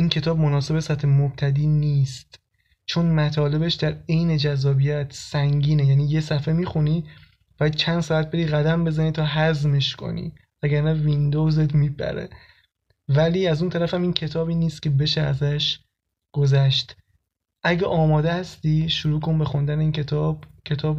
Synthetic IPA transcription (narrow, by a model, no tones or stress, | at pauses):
ʔincʰe̞t̪ʰɒːb̚monɒːse̞besæt̪ʰhemob̥̚t̪ʰæd̪iːniːst̪ | t͡ʃʰonmæt̪ʰɒːle̞be̞ʃd̪æɾe̞jne̞d͡ʒæzːɒːbijæt̪ʰsæŋɟiːnejæniːje̞sæfe̞miːxuni | b̥ɒjæd̪̥̚t͡ʃʰænd̪̥sɒːæt̪̚be̞ɾiːɣæd̪æmbe̞zænit̪ʰɒːɦæzmeʃkʰo̰nḭ | æɡæɾnævind̪o̞wzet̪ʰmibæ̰ɾḛ | væliːæzunt̪ʰæɾæfæmiːncʰe̞t̪ʰɒːbiːniːst̪̚cʰʲe̞be̞ʃeæzæʃ | ɡ̥o̞zæʃt̪ | ʔæɟeʔɒːmɒːd̪ehæst̪iʃuɾuːkʰo̞nbexond̪æneiːnet̪ʰːbkʰe̞t̪ʰɒːb